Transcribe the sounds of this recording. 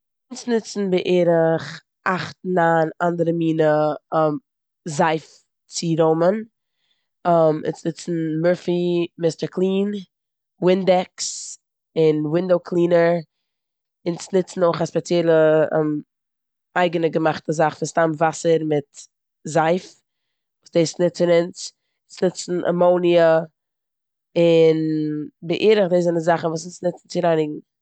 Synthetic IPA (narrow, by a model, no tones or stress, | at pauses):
ɪnsnɪt͡sn̩bɪʔeːɾɪχ | ʔaχt̚naːnandəɾəmiːnəm | zaɪf | t͡siɾomən | mɪ̰nsnɪt͡sn̩mœɹfimɪstəɹkʰlˠiːn | wɪndɛks | ɪnwɪndoʊkʰlˠiːnəɾ | ɪnsnɪt͡sn̩oɪχaspɛt͡sjɛlˠə̰ | ʔaɪɡənəɡəmaχtəzaχfnstamvasəɾmɪt | zaɪf | vuːsd̥eɪsnɪt͡sɪnɪnt͡s | snɪt͡sn̩ʔa̰moʊniə | ɪnbɪʔiːɾɪχdezanəzaχn̩vuːsnsnɪt͡sn̩t͡sɪɾaɪnɪɡŋ̩